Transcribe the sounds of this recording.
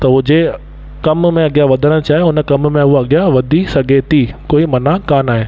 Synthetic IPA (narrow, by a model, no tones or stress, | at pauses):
t̪ɐɦʊd͡ʑe | kɐmmẽɐɡɪjaʋɐd̪ʱəɽ̃t͡ɕaːɦeʊnə̆kɐmmẽɦʊɐɠjaʋɐd̪ʱisɐɡʱet̪ʰikoːimɐnakaːnaːɦeː